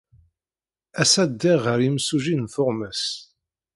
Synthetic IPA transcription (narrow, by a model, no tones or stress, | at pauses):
æsæd̪ːɪʁəɾimsuʒinfʊʁməs